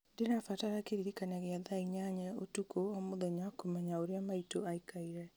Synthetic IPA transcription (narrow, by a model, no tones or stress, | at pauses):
denafataɾakeɾiɾikanaɣeaðaiɲaɲɛotukoɔmoðɛɲakomɛɲaoɾeamaitoaikaiɾɛ